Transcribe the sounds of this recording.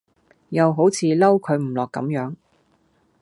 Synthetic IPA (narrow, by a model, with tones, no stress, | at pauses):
jɐ˨wɦo˨˥wt͡sʰiː˨˧lɐ˥wkʰɵ˨˧ɥm̩˨˩lɔː˨kːɐ̰˨˥mjœː˨˥ŋ